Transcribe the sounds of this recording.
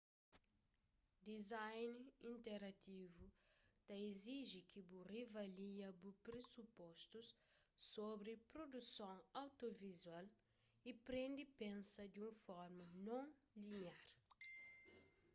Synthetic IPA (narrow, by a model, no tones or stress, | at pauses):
d̪izajnĩnt̪eɾɐt̪ivut̪ɐeziʒikʰiburivɐliɐbupɾesupɔst̪usː | obɾipɾod̪usõŋawt̪ovizwal | ipɾẽnd̪ipẽnsɐd̪ũfɔɾmɐnõŋlinjaɾ